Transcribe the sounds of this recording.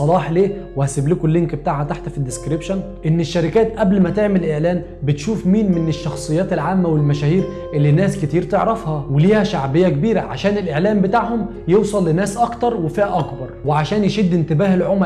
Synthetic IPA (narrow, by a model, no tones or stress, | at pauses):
ɑlɑːħleːwehæsɪblikʊlːeŋkbet̪aːʕhæt̪aħt̪fid̪ːɪskɾipʃon | ʔenːeʃːæɾɪkæːt̪ʔæblmæt̪eʕmelʔeʕlæːm | bɪt̪ʃuːfmiːnmeneʃːɑxsˤɨjːɑːt̪elʕaːmːæwelmæʃæːhiːɾ | ʔelːinːæːsket̪iːɾt̪eʕɾɑfhɑweliːhæʃaʕbejːækebiːɾæʕa̰ʃæːnelʔeʕlæːmbet̪aːʕhom | jewsˤɑlːɪnːæːsʔɑkt̪ɑɾˤwefiːhæʔɑkbɑɾˤweʕaʃæːnjeʃed̪ːent̪ɪbæːhelʕom